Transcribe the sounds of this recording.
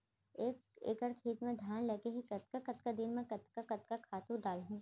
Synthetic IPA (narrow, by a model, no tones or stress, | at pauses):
eːkḛːkəɾkʰiːt̪mẽd̪ʱjaːnleːkeɦikɐt̪̚kakɐt̪kad̪ɪnmẽkɐt̪kakɐt̪kakʰaːt̪ũɖaːlɦũ